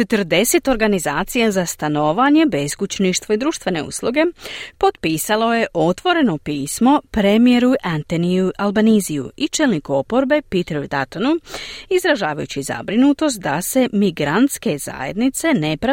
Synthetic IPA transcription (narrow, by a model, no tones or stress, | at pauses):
t͡ʃe̞t̪əɾd̪e̞se̞t̪o̞ɾɡanizaːt̪sijazast̪ano̞ʋaɲe̞beskut͡ɕniʃt̪ʋoid̪ɾuːʃt̪ʋe̞ne̞̰ṵslˠuɡe̞po̞d̪piːsalo̞je̞ʔo̞t̪ʋo̞ɾe̞no̞piːsmo̞pɾemije̞ɾuʔant̪eniuʔalˠbanizijṵit͡ʃe̞lnikuo̞po̞ɾbe̞pit̪eɾoid̪at̪onuizɾaʒaːʋajut͡ɕiza̰bɾinut̪o̞st̪̚d̪ase̞miɡɾant̪ske̞za̰je̞̰d̪nit̪se̞ne̞pɾa